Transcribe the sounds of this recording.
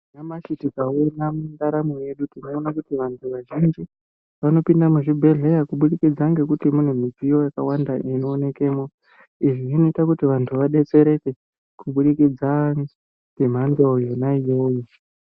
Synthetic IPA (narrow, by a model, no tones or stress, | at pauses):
namat͡ʃitikaonamundaɾamuje̞ɗutino̞ːnakutiʋantʰuʋaʒind͡ʒi | ʋano̞pindamuʐibʱe̞ɮe̞jakuɓuɗikid͡zaŋɡe̞kutimune̞mid͡zijo̞jakawandaʔinoːne̞ke̞ːmo | iʐiʐino̞itakutiʋantʰuʋaɗe̞t͡se̞ɾe̞te̞ | kuɓuɗikid͡zaŋ | ɡem̤andojo̞naijoju